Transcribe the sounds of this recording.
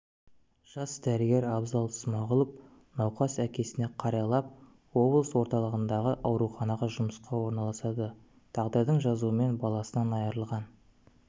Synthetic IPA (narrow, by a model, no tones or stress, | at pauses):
ʒ̥ɑsd̪æɾɪɡʲe̞ɾɑbzɑlˠsmɑʁʊlˠəp̚ | nɑwqɑsækʲe̞sɪne̞qʰɑɾɑlˠɑp̚ | wo̞blˠəswo̞ɾt̪ɑlˠəʁənd̪ɑʁəʔɑwɾuχɑnɑʁəʒʊməsqɑwo̞ɾnɑlˠɑsɑd̪ə | t̪ʰɑʁd̪əɾd̪əɴʒɑzuəme̞nbɑlˠɑsənɑnɑjɑɾəlˠʁɑn